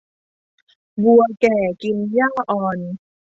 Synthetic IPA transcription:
bu˧ɐkɛː˨˩ki˧njaː˥˩ʔɔː˨˩n

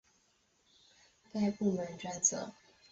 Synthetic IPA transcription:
ka˥˧ɪpu˥˩mə˨˥˦nʈ͡ʂwa˥˩nt͡sɤ̰˨˩˦

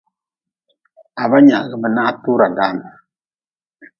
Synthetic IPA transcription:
a˨ba˦ɲa˨ɣə˨mə˨na˦tu˦ɾa˨da˨˦˨n˨

